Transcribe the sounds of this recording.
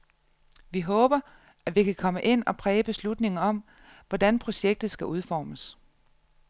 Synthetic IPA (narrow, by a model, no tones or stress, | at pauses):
ʋiɦɔ̽ːb̥ɐ | æʋikʰækʰɒ̽məʔe̝n̰ɒ̽pʰʁɛːb̥e̝slud̥ne̝ŋɐɒ̽m̰ | ʋɒd̥ænpʰʁo̝ɕeɡ̥̚d̥ð̞̩ˠsɡ̥æʔuð̞ˠfɒ̰ːməs